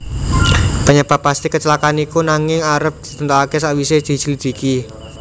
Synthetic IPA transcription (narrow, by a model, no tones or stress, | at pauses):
pəɲəb̥a̤pːast̪ikət͡ʃəlakanikunaŋɪŋaɾəp̚d̪̥i̥t̪ənt̪aakesaʔwised̪̥i̤səlid̪̥i̤ki